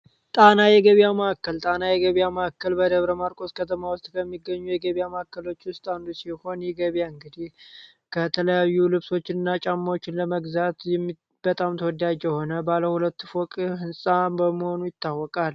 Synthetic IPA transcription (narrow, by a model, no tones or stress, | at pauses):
t̪ʼanajɛɡəβjaməʔakːəlt̪ʼanajɛɡəβjaməakːəlbəd̪əβɾəmaɾkʼo̞skʰət̪ʰəmawʊst̪ʼkʰəmːiɡːəɲːujɛɡəβijaməakːəlo̞t͡ʃːwʊst̪ʼand̪usiho̞njɛɡəβjaɨŋɡɨd̪ih | kʰət̪ʰələjajːulɨβso̞t͡ʃːɪnɨnːat͡ʃʼamːawot͡ʃːɪnləməɡzat̪jɛ | b̥ət̪ʼamt̪ʰəwɔd̪ad͡ʒɛho̞nəbaləhulət̪ːfokʼɦɨnsʼabəməho̞nujɪt̪ʰːawːɔkʼal